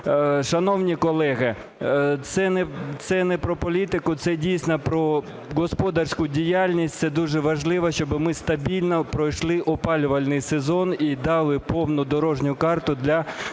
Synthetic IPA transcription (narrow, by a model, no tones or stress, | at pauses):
ʃɐnɔwnʲikɔlˠɛɦɪ | t̪sɛnɛt̪sɛnɛpɾɔpɔlʲit̪ɪkʊt̪sɛdʲijsʲnɐpɾɔ | ɡɔspɔd̪ɐrsʲkʊdʲijalʲnʲisʲtʲtsɛd̪uʒɛʋɐʒlˠɪʋɐʃt͡ʃɔbɪmɪst̪ɐbʲilʲnɐpɾɔjʃlˠɪʔɔpɑlʲʊʋɐlʲnɪjsezɔnid̪ɑlˠɪpɔwnʊd̪ɔɾɔʒnʲʊkɑrt̪ʊd̪lʲɐ